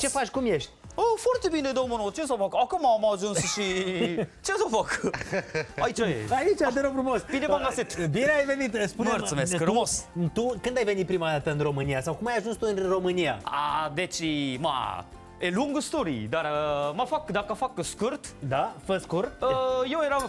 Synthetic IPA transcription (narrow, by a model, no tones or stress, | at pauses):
t͡ʃefat͡ʃkumjeʃt̪ʲofoart̪ebineed̪owmənot̪t͡ʃes̬afakakomamaːʒunssʃi | t͡ʃesafak | ait͡ʃajeait͡ʃad̪eɾofɾumosbinebaŋɡasit̪bineajvenit̪spunmərtsəmeskɾumost̪ukɨnd̪ajve̞nit̪̚pɾimad̪at̪əɨnro̞mɨnijasawkumajaʒunst̪uɨnro̞mɨnija̰a̰d̪et͡ʃima̰ | eluŋɡəst̪oɾḭd̪aɾəmafakd̪akafakskurt̪d̪afəskurəjewjeɾam